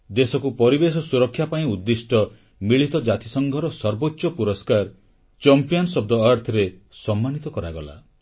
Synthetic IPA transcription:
d̪esɔkupɔɾibesɔsuɾɔkʰːjapaĩud̪ːisʈɔ | miɭit̪ɔd͡ʒat̪isɔŋɡʱɔɾɔsɔɾbotːʃɔpuɾɔskaɾ | t͡ʃɔmpijɔnsɔb̚d̪ɔaɾt̪ʰɾe | sɔmːanit̪ɔkɔɾaɡɔla̰

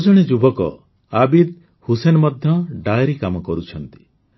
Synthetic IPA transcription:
ɔd͡ʒɔɽ̃ed͡ʒubɔkɔ̰ | abid̪̚ | husenɔmɔd̪ʱjɔɖajɾikamɔkɔɾut͡ʃʰɔnt̪i̥

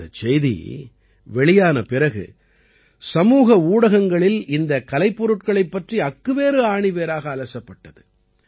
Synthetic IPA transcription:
ɐt͡ʃɛjðḭ | ʋɛɭɪjaːnɐpɪrɐɣɯ̰ | sɐmuːɣɐuːɽɐɣɐŋɡɐɭɪlɪnd̪ɐkɐlɐɪpːɔɾɯʈ̚kɐɭɐɪpːɐʈriɐkːɯʋeːɾɯaːɳɪʋeːɾaːɣɐːlɐsɐpːɐʈːɐðɯ

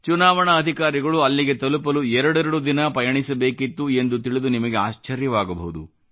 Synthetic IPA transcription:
t͡ʃunaːʋɐɳɐːd̪ʱikaːɾiɡɐɭuɐlːiɡe̞t̪ɐlupɐluɛɾɐɽɐɾɐɽud̪inɐpɐjɐɳisɐbe̞ːkit̪ːue̞nd̪ut̪iɭid̪unimɐɡe̞aːʃt͡ʃɐɾjɐʋaːɡɐbɐɦud̪u

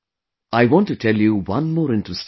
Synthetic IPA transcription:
aɪʋɔ̃nʈuʈʰɛljuʋʌ̃nmɔːɾɪ̃nʈɹəst

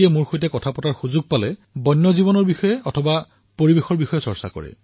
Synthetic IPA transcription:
jɛmuɹxojtɛkɔtʰapɔtaɹxuzʊɡ̚palɛbɔjnːɔzibɔnɔɹbixɔjɛɔtʰɔba | poɹibexɔɹbixɔjɛsɔɹsa̰kɔ̰ɹɛ̰

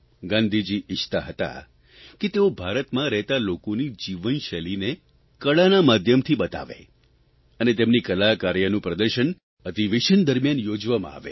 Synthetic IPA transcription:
ɡãnd̪ʱid͡ʒiɪʃt̪aɦət̪a̰ | ket̪eobʱaɾət̪mãɾɛɦt̪alokonid͡ʒiʋənʃɛline | kəɭanamad̪ʱjəmt̪ʰiɓət̪a̰ʋḛ | ənet̪emnikəlakaɾjənũpɾəd̪əɾʃən | əd̪ʱiʋeʃənd̪əɾmjanjod͡ʒʋamã̰a̰ʋḛ

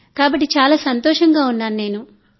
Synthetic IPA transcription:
kaːbɐʈːit͡ʃaːlaːsɐnt̪ɔːʂɐŋɡaːunːaːnune̞ːnu

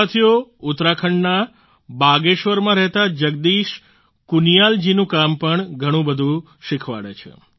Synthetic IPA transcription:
at̪ʰijoʊt̪ɾakʰəɳna | baɡeʃʋəɾmãɾɛɦt̪ad͡ʒəɡ̚d̪iʃ | kunijald͡ʒinũkampəɳɡʱəɽ̃ũbəd̪ʱũ | ʃɪkʰʋa̰ɭḛt͡ʃʰḛ

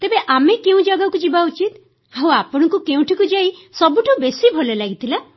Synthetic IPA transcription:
t̪ebeʔamekeũd͡ʒaɡakud͡ʒibaut͡ʃit̪ | ɦawapɔɽ̃ɔkukeũʈʰikud͡ʒaisɔbuʈʰubesibʱɔlɔlaɡit̪ʰila

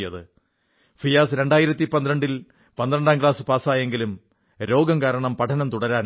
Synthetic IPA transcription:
jɐðɨ | fijaːsɾe̞ɳɖaːjiɾɐt̪ːipɐnd̪ɾɐɳɖil | pɐnd̪rɐɳɖaːmkɭaːsɨpaːsaːje̞ŋɡilum | ɾo̞ːɡɐmkaːɾɐɳɐmpɐʈʰɐnɐmt̪uɽɐɾaːn

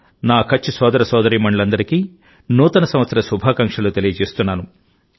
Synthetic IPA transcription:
naːkʰɐt͡ʃːisɔːd̪ɐɾɐsɔːd̪ɐɾiːmɐɳlɐnd̪ɐɾikiː | nuːt̪ɐnɐsɐm̃ʋɐt̪sɐɾɐsubʱaːkɐŋkʂɐlut̪elijɐt͡ʃeːst̪unːaːnu

